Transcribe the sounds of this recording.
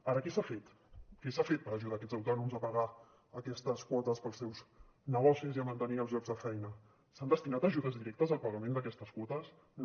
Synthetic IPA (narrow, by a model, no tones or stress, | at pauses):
aɾəkɛsafet̪ | kɛsafet̪̚pəɾəʒuðaːkɛd͡zəwt̪ɔnumzəpəɣa | əkɛst̪əskwɔt̪əspəlˠsɛwz | nəɣɔsiziəmənt̪əniəlzʒɔɡzðəfɛjnə | sand̪əst̪inat̪əʒuðəzðiɾɛk̚t̪əzəlˠpəɣəmẽnd̪əkɛst̪əskwɔt̪əs